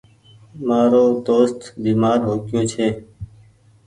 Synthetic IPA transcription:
maːɾoːd̪oːst̪biːmaːɾɦoːkjoːt͡ʃʰeː

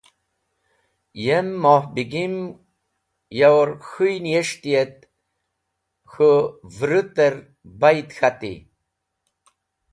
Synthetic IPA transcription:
jemːohbiɡim | jawɾxujnjeʂt̪ijet̪̚ | xovɾut̪eɾ | bajt̪xat̪ḭ

